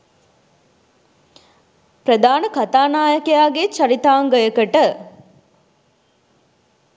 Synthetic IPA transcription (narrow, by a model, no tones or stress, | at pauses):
prəd̪aːnəkat̪aːnaːjəkəjaːɡet͡ʃɐɾit̪aːŋɡəjəkəʈə